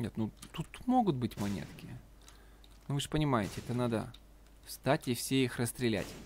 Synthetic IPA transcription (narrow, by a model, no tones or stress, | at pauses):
nʲet̪nut̪ut̪mo̞ɡʊt̪̚bɨtʲmɐnʲḛt̪kʲɪjə | nʊvɨʐpənʲɪmajɪtʲɪɛt̪ənad̪ə̰ | fst̪atʲifsʲeixrəst̪ɾʲɪlʲæ̰tʲ